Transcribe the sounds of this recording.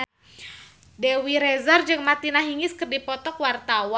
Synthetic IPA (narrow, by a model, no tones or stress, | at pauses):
dewiɾɛzard͡ʒɨŋmat̪inaɦiŋɪskɨrdipɔt̪ɔkwart̪awa